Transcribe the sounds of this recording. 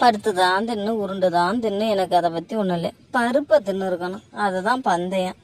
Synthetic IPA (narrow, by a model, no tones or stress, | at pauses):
pɐɽɯt̪ːɯðaːnt̪ɪnːɯʊɾɯɳɖɯðaːnt̪ɪnːɯɛnɐkːɐðɐpɐt̪ːiʊnːɐlɐ̰pɐɾɯpːɐt̪ɪnːɯɾɯkːɐnʊ̃ɐðɛt̪ãːpɐnd̪ɐjã